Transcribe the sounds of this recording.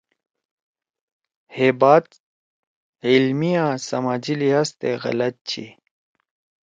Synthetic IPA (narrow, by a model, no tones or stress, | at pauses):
heːbaːt̪ | ilmijãːsɐmaːd͡ʑiliɦaːst̪eɣɐ̰lɐt̪̚t͡ɕʰḭ